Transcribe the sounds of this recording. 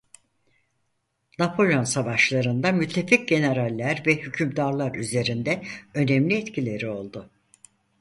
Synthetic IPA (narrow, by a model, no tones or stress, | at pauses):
napʰo̞lʲo̞nsavaʃlˠaɾɯnd̪amyt̪ʰːe̞fic̚ɟe̞ne̞ɾalʲːæɾvɛhycʰymd̪aɾlˠaɾyze̞ɾind̪ɛø̞nɛmlʲiɛt̪cʰilʲe̞ɾio̞lˠd̪ʊ